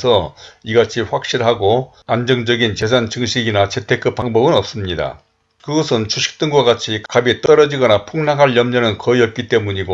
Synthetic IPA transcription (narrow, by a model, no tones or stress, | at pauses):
sʰʌiɡat͡ɕʰiɸwak̚ɕ͈iɾɦaɡo | and͡ʑʌŋd͡ʑʌɡint͡ɕe̞sʰant͡ɕɯŋɕʰiɡinat͡ɕʰe̞tʰe̞k͈ʰːɯp̚p͈aŋbʌbɯnʌp̚s͈ɯmɲida̰ | kɯɡʌsʰɯnt͡ɕuɕʰi̥k̚t͈ɯŋɡwaɡat͡ɕʰikkabet͈ʌɾʌd͡ʑiɡʌnapʰuŋnaŋɦaɭjʌmɲʌnɯnkʌiʌp̚k͈it͈e̞muɲiɡo